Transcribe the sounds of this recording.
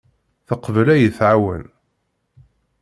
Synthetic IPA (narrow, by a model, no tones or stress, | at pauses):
θəqvəlæjəθʕawə̰n